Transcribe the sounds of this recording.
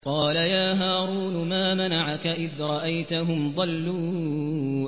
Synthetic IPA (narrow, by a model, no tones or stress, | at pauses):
qɑːlajaːɦaːɾuːnʊmaːmanaʕakaʔɪðɾˤɑʔajt̪aɦʊmðˤɑlːuː